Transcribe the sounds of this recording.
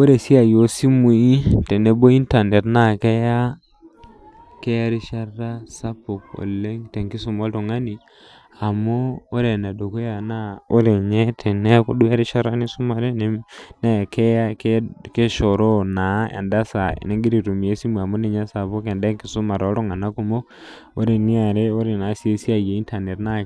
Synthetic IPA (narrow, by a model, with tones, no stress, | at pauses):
o˦ɾe˨si˦a˨jo˨si˦mu˨˦i˦te˨ne˦bo˦i˦nta˨ne˨tna˦˨ke˦ja˦ | ke˦a˦ɾi˦ʃa˦ra˦sa˦po˨ko̰˨le˦ŋte˨ŋki˦su˨mo˦ltu˨ŋa˦ni˨ | a˨moː˦ɾe˨na˨do˨ko˦ja˨na˦o˦ɾe˨ɲe˦tʰe˨ne˦ku˦du˦a˦ɾi˦ʃa˦ɾa˦ni˦su˦ma˨ɾe˦ne˦ne˦˨kʰe˦kke˦ʃo˨ɾo˦na˨˦ḛ˨nda˦sa̰˨ne˦ŋɡi˦ɾi˨tu˨mi˨e˦si˦m˨a˨mo˦ne˦˨ɲa˦sa˨βo˦ka˨nde˦ŋki˨su˦ma˨ɾɔ˦ɾo˦ŋa˨na˦ku˦mo˦ | o̰˦ɾe˨ni˦a˨ɾe˦o˦ɾe˨na˨˦se˦si˦a˨je˨i˦nta˨ne˨tna˦